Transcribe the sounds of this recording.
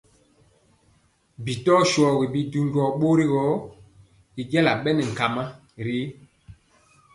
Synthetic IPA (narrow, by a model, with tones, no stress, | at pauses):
bi˨tɔ˦ʃɔ˨ɣi˨bi˨du˦˨ŋ˦ɡɔ˨ɓo˦ɾi˦ɡɔ˨˦ | i˨ɡɛ˦la̰˨ɓɛ˦nɛ˨ŋ̩˨ka˨ma˦ | ɾi˦